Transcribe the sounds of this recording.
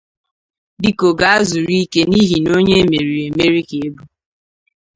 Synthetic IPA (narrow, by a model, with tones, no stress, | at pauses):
di˦ko˨ɡa˦a˦zu˨ɾi˦ke˦ni˦ɦi˨no˦ɲe˦e˦me˨ɾi˨e˨me˦ɾi˦ke˨e˦bu˦